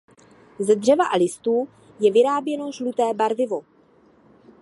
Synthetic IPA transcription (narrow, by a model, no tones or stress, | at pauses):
zɛdr̝ɛvaʔalɪst̪uː | jɛvɪɾaːbjɛno̞ʒlut̪ɛːbaɾvɪvo̞